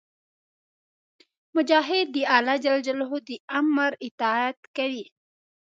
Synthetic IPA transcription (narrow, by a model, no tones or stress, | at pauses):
mʊd͡ʒɑɦɪd̪ːəalad͡ʒald͡ʒalɦod̪əamɾɪt̪ɑat̪kaɾi